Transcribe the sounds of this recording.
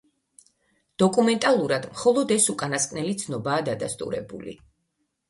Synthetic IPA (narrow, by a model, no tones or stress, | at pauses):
d̪̥ɔkʼumɛnt̪ʼalˠuɾad̪mχɔlˠɔd̪ɛsukʼanaskʼnɛlit̪sʰnɔbaːd̪ad̪ast̪ʼṵɾɛ̰bṵlḭ